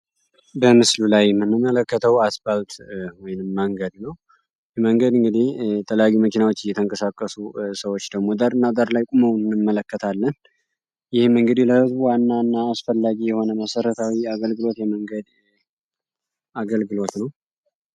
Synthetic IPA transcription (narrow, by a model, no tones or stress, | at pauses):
bəmɨslulajɛmːɨnːɨmːələkːət̪ʰəwasbalt̪wɔjɪnɨmːəŋɡəd̪nəw | jɛməŋɡəd̪ɨŋɡɨd̪iht̪ʰələjajːuməkinawot͡ʃːɪjːɛt̪ʰəŋkʼəsakʼːəsusəwo̞t͡ʃːd̪əɡmo̞d̪əɾɨnːad̪əɾlajkʼuməwɨnːɨmːələkːət̪ʰalːən | jɪhmɨŋɡɨd̪ihləhɨzbuwanːanːaːsfəlːaɡijɛho̞nəməsəɾət̪ʰawiaɡəlɡɨlo̞t̪jɛməŋɡəd̪ | aɡəlɡɨlo̞t̪nəw